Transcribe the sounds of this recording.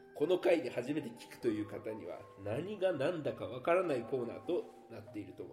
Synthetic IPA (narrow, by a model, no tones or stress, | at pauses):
ko̞no̞kaiɲihaʑime̞t̪e̞kʲi̥kɯ̟̥t̪o̞jɯ̟ːkat̪aɲ̟ḭβ̞a̰naɲ̟iɡanãnd̪akaβ̞akaɾanaiko̞ːna̰ːt̪o̞ | nat̪ːe̞iɾɯ̟t̪o̞mo̰